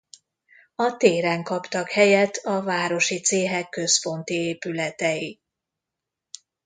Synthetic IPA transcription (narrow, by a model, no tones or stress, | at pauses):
ɒt̪eːɾɛŋkɒpt̪ɒkhɛjɛt̪ʰɒvaːɾo̞ʃit̪seːɦɛkːø̞spo̞nt̪ieːpylɛt̪ɛji